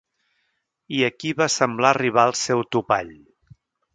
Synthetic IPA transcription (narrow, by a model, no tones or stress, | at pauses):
iəkiβasəmblariβ̞aəlˠsɛwt̪upa̰ʎ